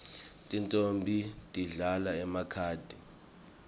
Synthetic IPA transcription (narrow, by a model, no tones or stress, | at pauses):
tʼintʼombʱitʼiɮalaɛmakʰaːd̥ʱi